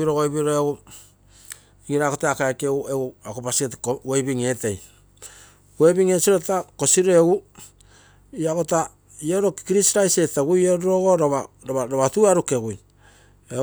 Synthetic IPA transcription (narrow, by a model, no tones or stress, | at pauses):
iɾoɡojbiɾoeɡu | iŋiɾakoteakaekeueɡuakopasietkoejbiŋe̞te̞j | we̞jbiŋe̞siɾotako̞siɾoeɡu | iakota | ioɾo̞kkɾisɾajse̞teɡujoɾɾoɡo̞ɾoβaɾoβaɾoβatuaɾuke̞ɡuj | e